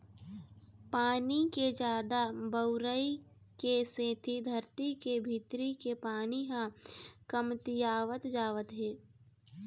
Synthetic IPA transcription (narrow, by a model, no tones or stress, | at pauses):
paːniked͡ʒaːd̪abəʊɾəi | keseːt̪ʰid̪ʱəɾt̪ikebʱiːt̪ɾikepaːniɦãkəmt̪ɪjaːʋət̪d͡ʒaːʋət̪ɦeː